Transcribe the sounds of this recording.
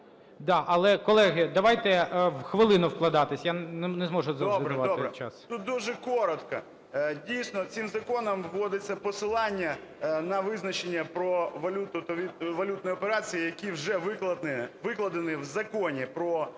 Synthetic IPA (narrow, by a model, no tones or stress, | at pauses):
d̪ɑʔɐlˠɛkɔlˠɛɦɪd̪ɐʋɑjt̪ɛʋxʋɪlˠɪnʊwklˠɐd̪ɑt̪ɪsʲjannɛzmɔʒʊzɐɾʋɑb̪ɛt͡ʃast̪ut̪̚d̪uʒɛkɔɾɔt̪kɐ | dʲijsʲnɔsʲɪmzɐkɔnɐmʋːɔd̪ɪt͡sʲːɐpɔsɪlˠɑnʲːɐnɐʋɪznɐt͡ʃenʲːɐpɾɔʋɐlʲut̪ʊt̪ɔʋʲiʋɐlʲut̪̚nɔjɔpeɾɑt͡sʲijijɐkʲiwʒɛʋɪk̪ˠɐɪʋɪklˠɐd̪ɪnɪwzɐkɔnʲipɾɔ